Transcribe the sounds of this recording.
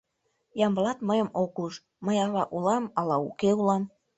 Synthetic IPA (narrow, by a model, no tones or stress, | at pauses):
jɑmbəlɑt̪məjəmokuʃ | məjɑβɑʔulɑmɑlɑukeulɑm